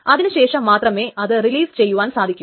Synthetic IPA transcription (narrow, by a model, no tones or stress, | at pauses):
ɐðinɨɕe̞ːʂɐmːaːt̪rɐmeːɐðɨriliːst͡ɕejːuʋaːnsaːd̪ʱikʲːum